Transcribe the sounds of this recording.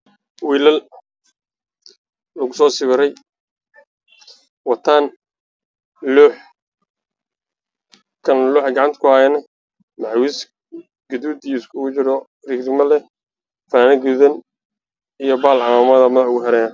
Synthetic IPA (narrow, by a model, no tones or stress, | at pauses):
wiːlɐl | lɐɣʊsɔːsɪβɪɾɛj | wɑt̪ʰaːn | luːħ | kʰɐnluːħɡɑʕɑnt̪ʰkʰʊhaːjɛnɐ | maʕwis | ɡ̥ɐd̪uːd̪ijɪskʰʊɣʊt͡ʃɪɾɔ | rɪɡrɪmɐlɛ | fanɐɡʊðɐn | ijɔbaːlʕɑaːmɐðɐmɐðɐħʊɡʊɦɛɾɛːn